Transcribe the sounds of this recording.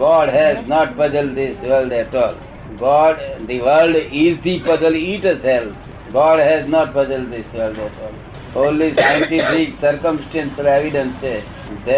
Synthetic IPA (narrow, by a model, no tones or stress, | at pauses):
ɡɔːɖɦɛznɔʈ̚pʌd͡ʒəlɖd̪ɪsʋəlɖɛʈɔːl | ɡɔːɖd̪iʋəlɖɪzd̪ipʌd͡ʒəliːʈəzɦɛl | ɡɔːɖɦɛznɔːʈ̚pʌd͡ʒəlɖd̪ɪsʋəlɖɛʈɔːl | õnlisajə̃nʈifɪksəɾkə̃msʈɛ̃nsɔʋeʋiɖə̃nse | d̪ɛ